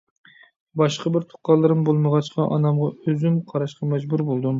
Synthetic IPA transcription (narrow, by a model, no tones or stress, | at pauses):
bɑʃqəbɪɾt̪ʰʊ̥qːɑlˠːɨɾɨmbolˠməʁɑt͡ʃqʰɑʔɑnɑmʁɑøzymqʰɑɾɑʃqɑmɛd͡ʒbuɾbolˠd̪um